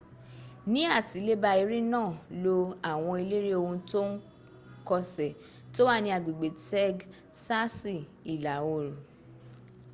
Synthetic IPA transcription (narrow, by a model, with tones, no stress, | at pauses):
nĩ˨˦a˦˨ti˨˦le˦ba˧i˧˦ɾĩ˦nãː˦˨lo˧a˨w̃ɔ̃˧i˧le˦ɾe˦o˧hũ˧to˦n̩˦ | kɔ˧sɛ˨ | to˦wa˦˨nĩ˧˦a˨ɡ͡bi˨ɡ͡be˨tɛ˦ɡ | sa˦si˦˨i˨la˨o˨ɾũ˨